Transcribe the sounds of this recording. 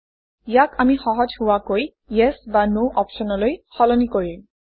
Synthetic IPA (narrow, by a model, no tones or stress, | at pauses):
ijakamixɔɦɔd͡ʒhʊwakoj | jɛsbanoʔɔpʃɔnɔlojxɔlɔnikoɹi